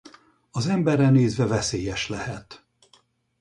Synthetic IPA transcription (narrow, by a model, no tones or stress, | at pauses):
ɒzɛmbɛrːɛneːzvɛvɛseːjɛʃlɛhɛt̪